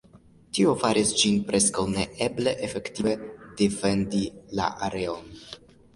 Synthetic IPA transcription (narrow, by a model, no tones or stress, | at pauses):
tio̞faɾʔisd͡ʒinpɾʔe̞skawne̞ʔeble̞ʔefe̞ktive̞defe̞ndila̰ʔaɾe̞o̞n